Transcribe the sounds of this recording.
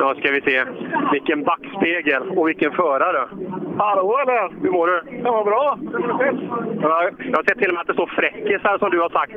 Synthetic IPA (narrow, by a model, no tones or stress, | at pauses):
ɑskavɪseːvɪlkːənd̪akspeːɡəlɔvɪlkːənfœːɾaɾɛhaloːɛlːəɾhɵɾmoːɖɛkʰamoːɾbɾɑː | jɑhasɛt̪ʰːɪlɔmɛat̪d̪ɛst̪oːɾfɾɛkːɪt̪æːʂɔmd̪ɵhaʂak̚t̪